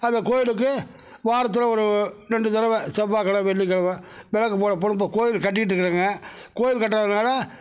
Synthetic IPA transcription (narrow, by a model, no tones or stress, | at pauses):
ɐnd̪ɐkoːjɪlɯk̬ːɯ | ʋaːɾɐt̪̬ːɯlɐɔɾɯɾɛɳɖɯt̪ɐɾɐʋɛsɐbaːkɐlɐʋɛɭːikːɐlɐʋɐ̃ʋɛlɐkːɯpoːɽɐp̬ːoːɽɯ̃poːkoːjɪlkɐʈːɪkːɪʈ̬ːɾɯkːɯɾaːŋɡɐkoːjɪlkɐʈ̬ːɾaðɐnaːlɐ